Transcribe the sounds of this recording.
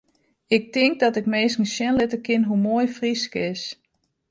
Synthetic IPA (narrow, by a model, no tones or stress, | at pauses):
ɪk̚tɪŋk̚dɔtɪkmeːskŋ̩ʃjɛnlɪtəkɪnɦumojfriskəɪs